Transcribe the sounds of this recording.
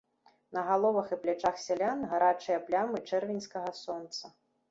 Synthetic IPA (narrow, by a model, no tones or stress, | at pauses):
nɐɣalˠɔvɐxiplʲat͡ʂaxsʲalʲanɣaɾat͡ʂɨjɐplʲamɨt͡ʂɛrvʲinʲskɐɣɐsɔnt̪sɐ